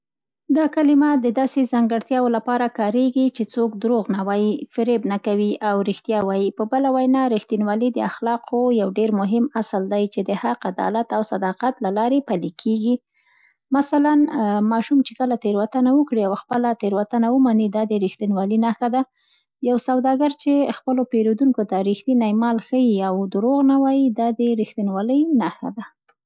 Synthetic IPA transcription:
d̪ɑkalɪmad̪əd̪ɑsezaŋɡəɽt̪jɑwolapɑɾakɑɾeɡit͡ʃet͡sokd̪ɾoɣnawɑjifɪɾebnakawiʔawɾixt̪jɑwɑjipəbəlawajnɑɾixt̪inwɑlid̪əaxlɑqʰojawɖeɾmʊɦɪmasəld̪ajt͡ʃed̪əhaqad̪ɑ̰lat̪awsad̪ɑqat̪lalɑɾepalikʰeɡi | masalanmɑʃumt͡ʃekəlat̪eɾwat̪anawəkɽiawxpəlat̪eɾwat̪anawəmanid̪ɑd̪əɾixt̪inwɑlinaxad̪a | jawsawd̪ɑɡaɾt͡ʃexpəlopeɾod̪uŋkot̪aɾixt̪inajmɑlxəjiawd̪əɾoɣnawɑjid̪ɑd̪əɾixt̪inwɑləjnaxa̰d̪a

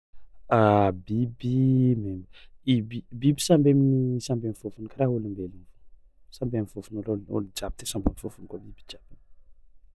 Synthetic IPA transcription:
abibimemiibibibi̥sambemnisambemivufunikaɾaɦulimbeliv̥ | sambemivufunuloo̰lid͡ʒab̚it̪esambomifufunikabibi̥d͡ʒab̥in

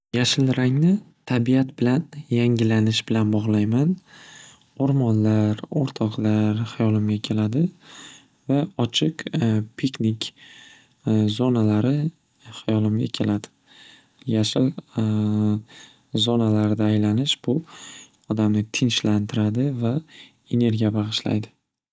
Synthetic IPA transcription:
jaʃɪlɾaŋnɪt̪ʰabijat̪bɪlanjaŋʲɪlanɪʃbɪlanbɒʁlˠajman | oɾmɒnlaɾoɾt̪ʰɒqlaɾhajɒlˠɪmɡʲakʲʰe̞lad̪ɪ | vaɒt͡ʃʰɪqpʰiknɪkʲ | zɒnalaɾɪ | hajɒlɪmɡʲa̰kʲʰe̞lad̪ɪ̥ | jaʃɪl | zɒnalaɾɪd̪aːjlanɪʃbʊ | ɒd̪amnɪt̪ʰɪnʃlant̪ʰɪɾad̪ɪva | e̞ne̞ɾɡʲijabaʁɨʃla̰jd̪ɪ

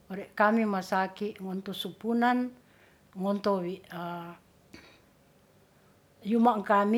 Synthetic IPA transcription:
ɔɾɛʔkamimasakiʔŋɔnt̪ɔsupunan | ŋɔnt̪ɔwiʔa | jumaŋkami

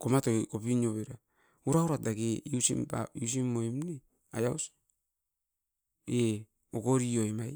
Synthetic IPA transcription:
komatokopinoβeɾa | uɾauɾat̚daɡeiusḭmpa̰ius̬imːoimne | ajaws | e | oɡoɾioemaj

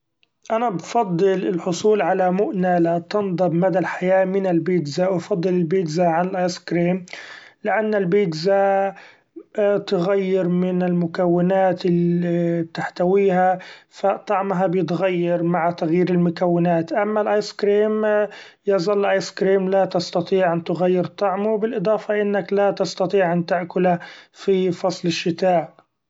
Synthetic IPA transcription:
ʔanabfɑd̪ˤːɨlɪlħʊsˤuːlʕalamʊʔnalat̪ɨnd̪ˤɑbmad̪alħajaːmɪnɪlbiːd̪zawfɑd̪ˤːɨlɪlbiːd̪zaʕanɪlʔɑjskɾiːmlɪʔanːalbiːd̪za | t̪ɪɣajːɪɾmɪnɪlmʊkawːɪnaːt̪ɪlːib̚t̪aħt̪awiːhafat̪ˤɑʕmɦabjɪt̪ɣajːɑɾˤmaʕat̪aɣjiːɾɪlmʊkawːɪnaːt̪ʔamːalʔaːjskɾiːm | jɑzˤɑlːlʔɑjskɾiːmlat̪ɑst̪ɑt̪ˤiːʕant̪ɪɣajːɪɾt̪ˤːɑʕmʊwbɪlʔɨd̪ˤɑːfɑʔɪnːaklat̪ɑst̪ɑt̪ˤiːʕʔant̪ɪʔkʊlafifɑsˤlɪʃːɪt̪aːʔ

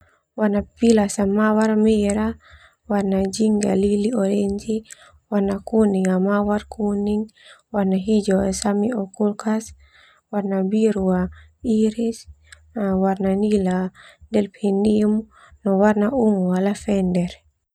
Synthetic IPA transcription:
wanapilasamawaɾmɛɾa | waɾnad͡ʒiŋɡa̰liliɔɾeɲd͡ʒi | waɾnakuniŋamawaɾkʰuniŋwaɾnaɦid͡ʒɔsamiɔkulkʰas | waɾnabiɾuwa | iɾis | waɾnaniladɛlpʰendium | nɔwaɾnauŋwalafɛndɛɾ

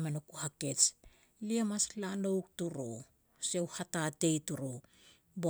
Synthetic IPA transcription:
menokuhake̞t͡ʃ | liamaslanowk̚tuɾo̰ | sewhatate̞jtuɾo | bo

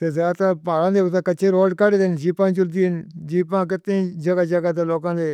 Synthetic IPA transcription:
t̪eːzaːt̪apaːlãːd̪eːʊt̪aːkət͡ʃʰẽːɾoːɖkəɽd̪end͡ʒiːpãːd͡ʒʊld̪iːɪnd͡ʒiːpãːk̬ɪt̪ːẽd͡ʒəɡaːd͡ʒəɡat̪eloːkãːd̪eː

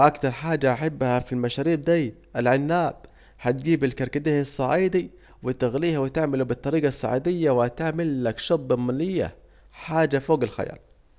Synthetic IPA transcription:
ʔakt̪ɑɾˤħaːd͡ʒːaʔaħabːhafilmaʃaːɾiːb̚d̪aː | ʔalʕɪnːaːb̚ | ħat̪̚ɡiːbɪlkɑɾˤkad̪iːhsˤːɑʕiːd̪i | wɪt̪ɪɣliːhawɪt̪ɪʕmalubɨt̪ˤːɑɾiːɡɑsˤːɑ̰ʕḭːd̪ɪjːawhat̪aʕmɪlːakʃɑb̪ːɪmalɪjːa̰ | ħaːd͡ʒafoːɡɪlxa̰ja̰ːl

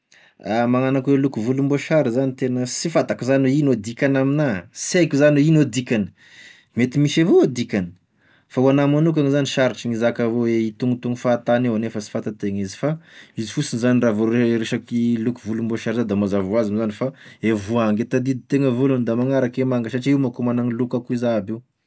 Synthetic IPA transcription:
amaŋanakwelukuvulumboʃaɾizanit̪enəsifat̪akuzanuinod̪ikʲanaminasajkuzaninod̪ikʲanə̥ | met̪imiʃevood̪ikʲanə̥ | fauanamanuk̬aŋizaniʃaɾiʈ͡ʂiŋizakavoeit̪uŋut̪uŋufaːt̪aneanefəsi̥fat̪at̪eŋizi̥faizi̥fusinizaniravoɾeɾeʃakilukuvulumboʃaɾizad̪amazavuazamzanifaevuaŋɡet̪ad̪id̪it̪eŋəvulund̪amaŋaɾakemaŋɡaʃaʈ͡ʂiumakumanaŋilukakuizaabew

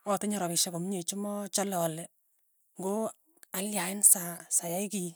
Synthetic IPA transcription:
wɔteɲɔɾɔβiʃɛkomɲet͡ʃumɔt͡ʃalɔlɛ | ŋɡo | aljaɪnsasajaiki

